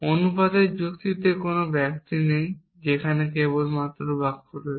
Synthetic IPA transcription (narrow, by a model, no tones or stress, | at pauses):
onupad̪eɾd͡ʑukt̪it̪ekonobɛkt̪inej | d͡ʑekʰanekeβolmat̪ːɾobaɡ̚koɾe